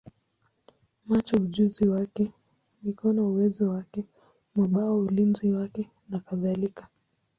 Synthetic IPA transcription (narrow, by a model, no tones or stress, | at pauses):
mat͡ʃɔuʄuziwakɛ | likɔnauwɛzɔwakɛ | maɓaaulinziwakɛ | nakaðalikḁ